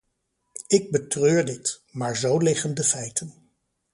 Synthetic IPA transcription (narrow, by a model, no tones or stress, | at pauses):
ɪɡ̚bətrøːɹdɪtmaːɹzowlɪχəndəfɛjtən